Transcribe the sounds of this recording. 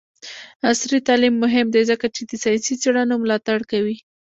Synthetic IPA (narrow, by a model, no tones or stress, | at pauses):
asɾit̪ɑlimːʊɦɪmd̪ezəkat͡ʃed̪əsɑjsit͡seɽanomlɑt̪aɽkawi